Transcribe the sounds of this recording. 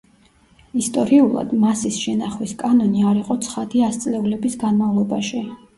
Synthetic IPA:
ist̪ʼɔɾiulˠa̰d̪masisʃɛnaχwiskʼanɔniaɾiqʼɔt̪sʰχad̪iast̪sʼlɛulɛbisɡanmavlˠɔbaʃi

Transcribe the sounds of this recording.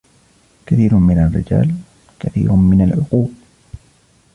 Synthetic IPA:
kaθiːɾʊmɪnarːɪ̰d͡ʒa̰ːl | kaθḭːɾʊmɪnalʕʊquːb

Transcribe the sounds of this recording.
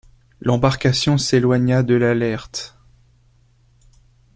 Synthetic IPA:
lɑ̃baʁkasjɔ̃selwaɲad̪əlalɛʁt̪

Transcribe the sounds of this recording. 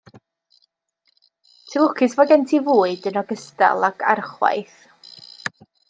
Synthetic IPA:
tʰilˠʊkʰɪsvɔɡɛntʰivuːɨdənɔɡəsta̰lˠakʰa̰rχwa̰jθ

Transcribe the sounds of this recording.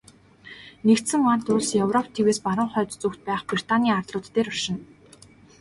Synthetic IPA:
nekt̪sɘ̆ŋmart̪ʊɮsjɵwrɔpʰt̪ʰeweːspaɾə̆ɴχœːt̪t͡sukt̪̚pæːχpri̥t̪ʰaniːart̪ɮʊːt̪ːeːɾɔʃɪ̆n

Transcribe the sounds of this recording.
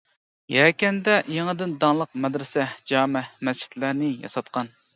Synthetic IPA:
jɛkʲɛnd̪ɛjeŋɨd̪ɪnd̪ɑŋlˠəqmɛd̪ɾɪsɛd͡ʒɑːmɛmɛst͡ʃʰi̥t̪læɾnɪjɑ̰sɑt̪qɑn

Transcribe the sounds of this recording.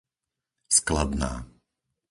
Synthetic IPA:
sklad̪na̰ː

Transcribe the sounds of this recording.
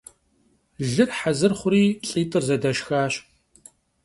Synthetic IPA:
ɮɨrħazɨrχʷʊɾiːɬʼiːtʼɨrzɐdɐʃxaːɕ

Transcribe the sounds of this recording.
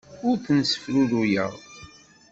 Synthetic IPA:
ʊɾθənsə̥fɾuðujə̰ʁ

